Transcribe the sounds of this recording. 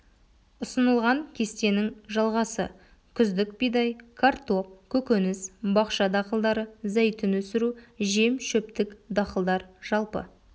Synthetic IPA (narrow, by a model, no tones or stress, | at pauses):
ʊsənəlˠʁɑŋkʲʰe̞st̪e̞nɪŋʒɑlˠʁɑsə̰ | kʲʰʏzd̪ɪkbijd̪ɑjkʰart̪o̞p̚kʲʰɵkʲenɪsbɑqʃɑd̪ɑqəlˠd̪ɑɾəzæjt̪ɪnwɵsɪɾuʒe̞mʃɵpt̪ɪkd̪ɑqəlˠd̪ɑɾʒ̥ɑlˠpə̰